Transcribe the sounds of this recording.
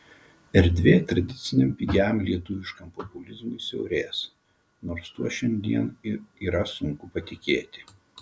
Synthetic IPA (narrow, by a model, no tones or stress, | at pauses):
ɛɾʲd̪ʲʋʲeːt̪ɾɐd̪ʲɪt̪sʲɪnʲempʲɪɡʲæmlʲiɛt̪ʊʋʲɪʃkɐmpɔpʊlʲɪzmʊɪsʲɛʊɾʲeːs | noːɾst̪uɔʃʲɛnʲd̪ʲiɛnɪiːɾɐsʊŋkʊpɐt̪ʲɪkʲeːt̪ʲɪ